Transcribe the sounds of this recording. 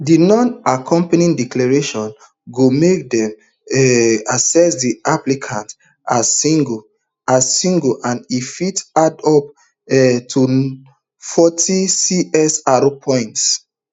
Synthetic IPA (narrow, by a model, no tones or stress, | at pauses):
dinɔ̃nakʰɔ̃mpanĩŋdiklaɹeʃɔ̃n | ɡomek̚dɛ̃m | ɛasɛsdiʔaplikʰãnt | aiɡ | asĩŋɡoʔãnifitadɔp̚ | ɛtʰu | fɔtʰisiɛsaɹopʰɔ̃ɪ̃nts